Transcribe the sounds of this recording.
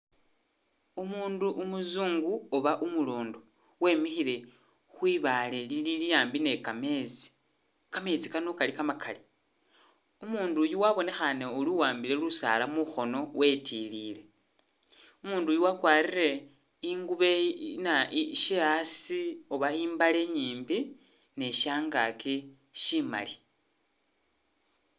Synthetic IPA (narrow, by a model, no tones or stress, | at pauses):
umuːnduʔumuzuːŋɡuoβaʔumuloːndo | we̞mixile̞ | xwiːβalelililijaːmbine̞kamet͡si̥ | kame̞t͡sikanokalikamakʰali | umuːndujuwaβo̞ne̞xaneoluwaːmbile̞lusa̰lamuxo̞no̞we̞tiliːle̞ | umuːndujuwakwaːrire̞ | iŋɡuβe̞naʃeasioβaiːmbale̞ɲiːmbi | ne̞ʃaːŋɡa̰ke | ʃima̰li